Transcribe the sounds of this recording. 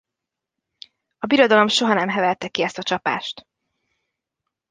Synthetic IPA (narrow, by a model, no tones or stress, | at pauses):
ɒbiɾo̞d̪ɒlo̞mʃo̞ɦɒnɛmɦɛvɛlt̪ɛkːiɛst̪ɒt͡ʃɒpa̰ːʃt̪